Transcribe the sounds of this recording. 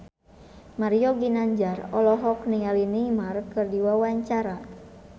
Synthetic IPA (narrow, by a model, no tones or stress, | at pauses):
maɾiɔɡinaɲd͡ʒarɔlɔɦɔknialinimarkɨrdiwawaɲt͡ʃaɾa